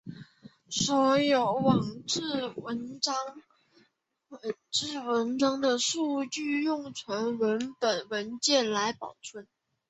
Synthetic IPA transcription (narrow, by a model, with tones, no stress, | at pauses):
swɔ˧˥jo˧˥˩ʊwɑ˨˩ŋʈ͡ʂ̩˥˩wə˧˦˥nɑ˥ŋ | wə˨˩ʈ͡ʂɻ̩˥˩wə˧˥nʈ͡ʂɑ˥ŋd̪ə˨ʂu˥˧t͡ɕy˥˧jʊ˥˩ŋt͡sʰwə˧˥nwə˧˥npə˨˩nwə˧˥nt͡ɕjɛ˥˩nla˧˥ɪpɑ˨˩ʊʈ͡ʂʰwə˥˩n